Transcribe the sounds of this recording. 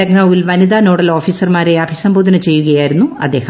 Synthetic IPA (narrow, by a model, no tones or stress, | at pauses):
ɐɡnɐʋilʋɐnid̪aːno̞ːɽɐloːfiːsɐrmaːɾeɐbʱisɐmbʱoːd̪ɐnɐt͡ɕe̞jːuɣɐjaːjiɾunːuɐ̰d̪ːe̞ːhɐ